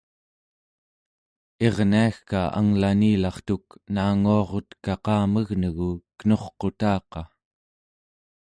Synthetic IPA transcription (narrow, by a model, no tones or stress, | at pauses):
e̞ʁniaxkaʔa̰ŋlaniːlɑχt̪uknaːŋuɑʁo̞t̪kɑqɑːməɣnəɣukə̥no̞χqo̞t̪ɑːqɑ